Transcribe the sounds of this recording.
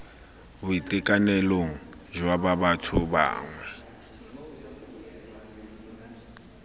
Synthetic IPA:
bʊitʼɛkʼanɛloŋ̩ | ʒwababatʰʊba̰ːŋwɛ

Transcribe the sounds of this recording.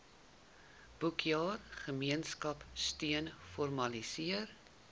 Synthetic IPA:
b̥ukʰjɑːrχəmiənskɐpstyənfɔrmɐlisiər

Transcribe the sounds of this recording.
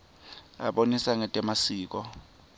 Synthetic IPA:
a̰ɓonisaŋɛtʼɛmasiːk̬ɔ

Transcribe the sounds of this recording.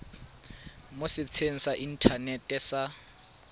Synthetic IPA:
mʊsɪt͡sʰeŋ̩saʔin̩tʰanɛtʼɛsa

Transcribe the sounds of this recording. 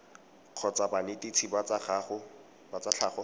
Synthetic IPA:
q͡χʰɔt͡sabanɪtit͡sʰibat͡saχaːχʊ | bat͡sat͡ɬʰaːχɔ

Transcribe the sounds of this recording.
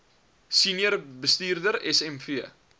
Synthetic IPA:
siniərbəstiːrdəɾɛsɛmfiə

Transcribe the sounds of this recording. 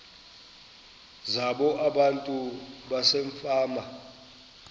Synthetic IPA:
zaɓɔʔaɓantʼuɓaseɱfaːma

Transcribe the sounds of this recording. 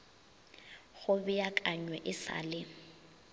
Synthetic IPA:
ɣʊbɪjakʼaɲwɛʔɪsa̰lɪ

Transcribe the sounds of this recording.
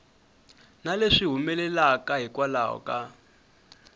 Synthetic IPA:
naleʂiɦumɛlɛlakʼaɦikwala̰ɦɔ̰kʼa

